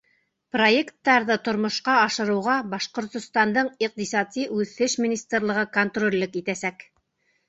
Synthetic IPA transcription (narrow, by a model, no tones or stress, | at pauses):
pro̞jekt̪ːɑɾðɤt̪ŏɾmŏʃqɑɑʃɤ̆ɾɤ̆wʁɑbɑʃqŏɾt̪ŏst̪ɑnd̪ɤɴiq̚t̪isɑt̪iʔʉθɘʃmʲinʲist̪rlˠɤ̆ʁɤkont̪rolʲːɘkit̪æsæk